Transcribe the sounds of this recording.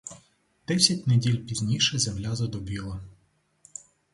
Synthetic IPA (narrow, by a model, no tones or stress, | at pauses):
d̪̥ɛsʲɐtʲnedʲilʲpʲizʲnʲiʃɛzɛmlʲazɔd̪ɔbʲilˠɐ